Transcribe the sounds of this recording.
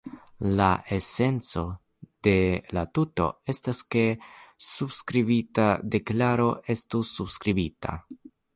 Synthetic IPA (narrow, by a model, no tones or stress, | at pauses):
laʔe̞se̞nt͡so̞ | d̥e̞latuto̞̰e̞staske̞subskɾibitade̞klaɾo̞ʔe̞stusubskɾibita̰